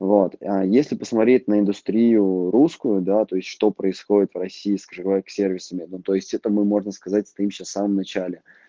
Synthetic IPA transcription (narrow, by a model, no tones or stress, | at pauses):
vo̞t̪ajesʲlʲɪpəsmɐt̪ɾʲetʲnəɪnd̪ʊst̪ɾʲijʊɾuskʊjʊd̪at̪o̞ɪsʲtʲʂt̪o̞pɾəɪsxo̞dʲɪt̪vrɐsʲiːskəʐɨɡvaksʲe̞rvʲɪsəmʲɪd̪t̪o̞ɪsʲtʲɛt̪əmɨmo̞ʐnəskɐzat̚ʲst̪ɐimɕasfsaməmnɐt͡ɕælʲɪ